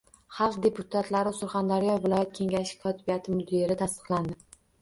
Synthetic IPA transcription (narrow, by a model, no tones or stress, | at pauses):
χɑlˠqd̪e̞pʰʊt̪ʰat̪ʰlaɾɪsʊɾχand̪aɾjɒvɪlˠɒjat̪̚kʲʰe̞ŋɡʲaʃɪ̥kʰɒt̪ʰɪbijat̪ʰɪmʊd̪iɾɪt̪ʰast̪ɨ̥qlˠand̪ɪ